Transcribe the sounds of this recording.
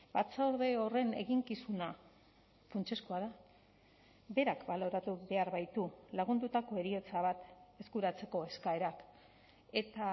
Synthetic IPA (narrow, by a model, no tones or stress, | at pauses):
b̥at͡saoɾðe̞o̞re̞ne̞̰ɣiŋkisuna | funt͡ʃe̞skoað̞a | be̞ɾakbalo̞ɾat̪uβe̞aɾβajt̪ulaɣ̞und̪ut̪ako̞e̞ɾio̞t͡saβ̞at̪e̞skuɾat͡se̞ko̞e̞skae̞ɾak | e̞t̪a